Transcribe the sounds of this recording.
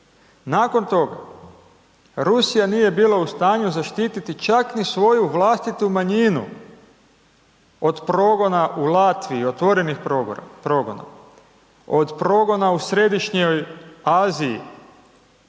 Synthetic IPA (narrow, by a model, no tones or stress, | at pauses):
naːko̞nt̪o̞ɡa̰ | ɾusijanije̞biːlˠaust̪aːɲuzaʃt̪iːt̪it̪it͡ʃaknisʋo̞juʋlˠaːst̪it̪umaɲinṵ | o̞d̪pɾo̞ɡo̞naʔulat̪ʋiio̞t̪ʋo̞ɾenixpɾoɡo̰na̰ | od̪pɾo̞ɡo̞nausɾe̞d̪iʃɲojaːziḭ